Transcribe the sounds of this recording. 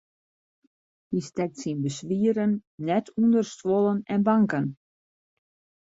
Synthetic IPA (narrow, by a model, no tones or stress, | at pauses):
histɛk̚tsinbəsʋiəɾənːɛtʰundərstʋɔlˠənɛnbaŋkən